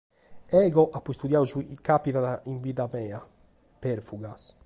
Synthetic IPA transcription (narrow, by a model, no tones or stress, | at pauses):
ɛːɡɔʔapːuist̪ud̪jauzuikːapiðaðaiɱviðamɛːa | peɾfuɡas